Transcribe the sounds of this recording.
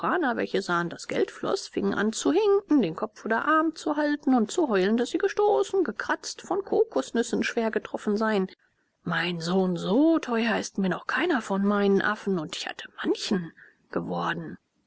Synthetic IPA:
ʁaːnɐvɛ̰lçəzaːəndasɡ̥ɛ̰ltflɔ̰sfɪŋənʔa̰nt͡suhɛŋʔn̩deːnkʰɔpp͡foːdɐ̰ʔaɐmt͡suɦaltn̩ʊntt͡suɦɔʏləndasz̥iːɡəʃtoːsn̩ɡəkʁ̥at͡stfɔnkʰoːkʊsnʏsn̩ʃv̥eːɐɡətʁ̥ɔfn̩zaɪən | maɪnzoːnzoːtʰɔʏɐɪstmiːɐnɔχkʰaɪnɐfɔnmaɪnənʔa̰fn̩ʊntɪ̥çha̰tʰə̥mançn̩ | ɡ̥əvɔɐdn̩

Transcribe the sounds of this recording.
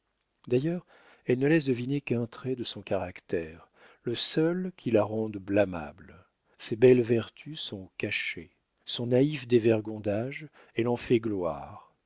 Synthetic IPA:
d̪ajœːʁ | ɛlnəlɛs̬d̪əvinekɛ̃t̪χɛd̪əsɔ̃kaʁakt̪ɛʁ | ləsœlkʰʲilaʁɑ̃d̪blama̰bl | sebɛlvɛʁt̪ʰysɔ̃kaʃe | sɔ̃naifd̪evɛʁɡɔ̃d̪aʒ | ɛlɑ̃fɛɡlwa̰ːʁ

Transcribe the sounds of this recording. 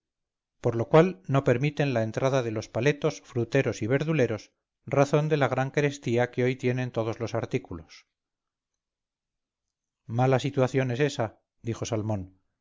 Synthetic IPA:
po̞ɾlo̞kwalno̞pe̞ɾmit̪e̞nlae̞nt̪ɾaðaðe̞lo̞spale̞t̪o̞sfɾut̪e̞ɾo̞siβ̞e̞ɾðule̞ɾo̞s | raθo̞nd̪e̞laɣ̞ɾaŋkeɾe̞st̪iakeo̞jt̪je̞ne̞nt̪o̞ð̞o̞zlo̞saɾt̪ikulo̞s | malasit̪waθjo̞ne̞se̞sa | d̪ixo̞salmõ̞n

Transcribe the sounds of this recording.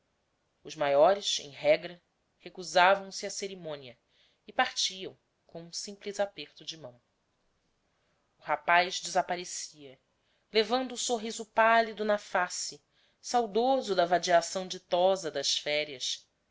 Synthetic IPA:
ʊzmajɔɾɪʃḛ̃j̃ɦɛɡɾɐ | hekuzavɐ̃w̃sɪɐseɾimõniɐ | ɪpaχt͡ʃiɐ̃w̃ | kõũsĩmplizapeɾt̪ʊd͡ʒɪmɐ̃w̃ | ʊɦapajzd͡ʒɪzapaɾesiɐ | levɐ̃nd̪ʊːsoɦizʊpalid̪ʊnɐfasɪ | sawd̪ozʊd̪ɐvad͡ʒiasɐ̃w̃d͡ʒit̪ɔzɐd̪ɐʃfɛɾiɐs

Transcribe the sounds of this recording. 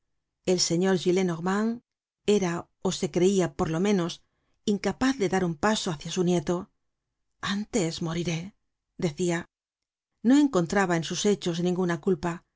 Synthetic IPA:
e̞lse̞ɲo̞ɾʝile̞noɣmaŋ | e̞ɾa | o̞se̞kɾe̞iapo̞ɾlo̞mẽ̞no̞s | iŋkapaθðe̞ðaɾumpaso̞aθjasunje̞t̪o̞ | ant̪e̞zmo̞ɾiɾe̞ | d̪e̞θia | no̞e̞ŋko̞nt̪ɾaβae̞nsuse̞t͡ʃo̞znĩŋɡunakulpa

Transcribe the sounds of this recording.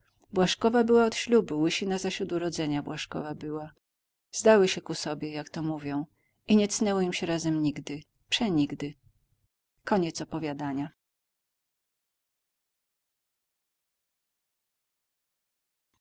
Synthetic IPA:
bwaʂkɔvabɘwaɔt̪ɕlubuwɘɕinazaɕɾud̪uɾɔd̪zɛɲabwaʂkɔ̰vabɘwa | zd̪awɘɕɛkusɔbʲjɛjakt̪ɔmuvʲjɔ̃w̃ | iɲɛt̪snɛwɔimɕɛɾazɛmɲiɡd̪ɘ | pʂɛɲiɡd̪ɘ | kɔɲɛt̪sɔpɔvʲjad̪aɲa

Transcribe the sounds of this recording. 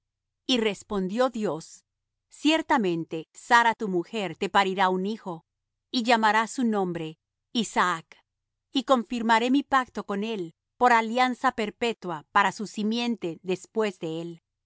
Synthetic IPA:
ire̞spo̞nd̪jo̞ðjo̞sː | je̞ɾt̪amẽ̞nt̪e̞saɾat̪umuxe̞ɾt̪e̞paɾiɾaunixo̞ | iʝamaɾasunõ̞mbɾe̞ | isaak | iko̞ɱfiɾmaɾe̞mipak̚t̪o̞ko̞ne̞l | po̞ɾaljansape̞ɾpe̞t̪wapaɾasusimje̞nt̪e̞ðe̞spwe̞zðe̞el

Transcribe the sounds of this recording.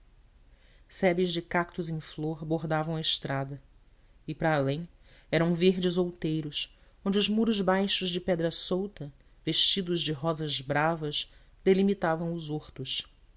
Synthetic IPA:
sɛbɪzd͡ʒɪkak̚t̪ʊzẽj̃floɾboɾd̪avɐ̃w̃ɐɪʃt̪ɾad̪ɐ | ɪpɾɐːlẽj̃ | ɛɾɐ̃w̃veɾd͡ʒɪzowt̪ejɾʊs | õnd͡ʒɪʊzmuɾʊzbajʃʊzd͡ʒɪpɛd̪ɾɐsowt̪ɐ | veʃt͡ʃid̪ʊzd͡ʒɪɦɔzɐzbɾavɐʃ | d̪elimit̪avɐ̃w̃ʊzoɾt̪ʊʃ

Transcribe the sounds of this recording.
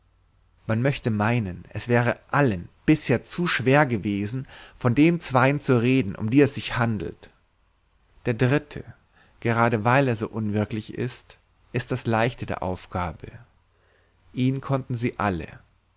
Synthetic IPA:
manmœçtəmaɪnənʔɛsv̥ɛːʁ̞əʔalənb̥ɪsheːɐt͡suːʃv̥eːɐɡəveːzn̩fɔndeːnt͡sv̥aɪənt͡suʁeːdn̩ʔʊ̰mdiːɛsz̥ɪçhandl̩t | d̥eːɐdʁɪtʰə | ɡ̥əʁaːɾəvaɪleːɐzo̰ːʔʊnvɪɐklɪçɪ̰st | ʔɪst̚d̥aslaɪçtədḛːɐʔa̰ʊfɡ̥aːbə | ʔiːnkʰɔntn̩ziːʔa̰lə̰

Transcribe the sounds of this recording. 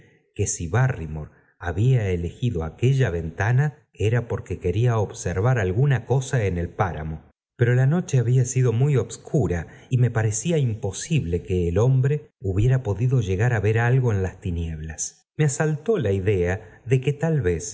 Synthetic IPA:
ke̞siβarimoɾ | aβiaele̞xiðo̞ake̞ʒaβe̞nt̪ana | eɾapo̞ɾke̞ke̞ɾiaoβseɾβaɾalɣunako̞saenelpaɾa̰mo̞ | peɾo̞lano̞t͡ʃeaβiasiðo̞mujo̞βskʰuɾaime̞paɾe̞siaimpo̞siβle̞keːlo̞mbɾeuβje̞ɾapo̞ðiðo̞ʒe̞ɣaɾaβe̞ɾalɣo̞e̞nlast̪inje̞βlas | measalt̪o̞laiðe̞aðe̞ket̪alβe̞s

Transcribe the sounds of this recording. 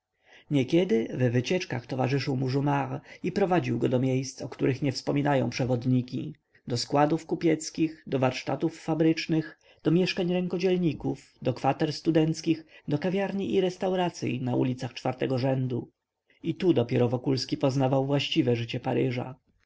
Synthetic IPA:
ɲɛkʲɛd̪ɘvɛvɘt͡ɕɛt͡ʂka̰xt̪ɔvaʐɘʂɘwmuʐumaʁipɾɔvad͡ʑiwɡɔd̪ɔmʲjejst̪sɔkt̪uɾɘxɲɛfspɔmʲinajɔ̰̃w̃pʂɛvɔd̪ɲikʲḭ | d̪ɔskwad̪ufkupʲjɛt̪skʲixd̪ɔvaɾʂt̪at̪ufːabɾɘt͡ʂnɘx | d̪̥ɔmʲjɛʂkaɲɾɛŋkɔd͡ʑɛlɲikuf | d̪ɔkfat̪ɛɾst̪ud̪ɛnt̪skʲixd̪ɔkavʲjaɾɲiʔːɾɛst̪awɾat̪sʲjḭnaṵlʲit̪saxt͡ʂfaɾt̪ɛɡɔʐɛnd̪u | it̪ud̪ɔpʲjɛɾɔvɔkulskʲipɔznavawvwaɕt͡ɕivɛʐɘt͡ɕɛpaɾɘʐa̰

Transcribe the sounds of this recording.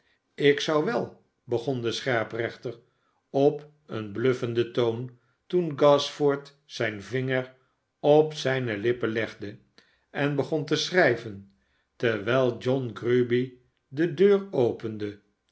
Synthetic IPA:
ɪksɑwʋɛlˠ | bəχɔnd̪əsχɛɹprɛχt̪ər | ɔp | ə̰nblɵfəndətown | tunɡɑsfɔɹt | sɛjnvɪŋəɹ | ɔpsɛjnəlɪpəlɛχdə | ɛnbəχɔnt̪̬əsrɛjvən | təɹʋɛɪlˠd͡ʒɔnɡrybi | dədøːrowpənd̪ə

